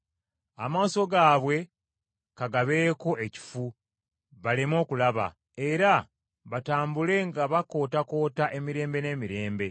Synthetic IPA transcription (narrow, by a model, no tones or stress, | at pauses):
amaːso̞ɡaːβwe̞ | kaɡaβe̞ːko̞ʔe̞ci̥fu | βalemo̞ːkulaβa̰ | e̞ɾa | βataːmbule̞ŋɡaβako̞ːtako̞ːtaʔe̞miɾe̞ːmbe̞ne̞ːmiɾe̞ːmbe̞